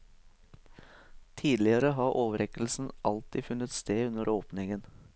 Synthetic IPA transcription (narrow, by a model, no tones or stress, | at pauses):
t̪ʰiːd̪lɪəɾəɦɑːʔoːʋəɾɛkl̩sn̩ʔɑlt̪ɪfʉnət̪st̪eːʉnəɾʔoːpnɪŋən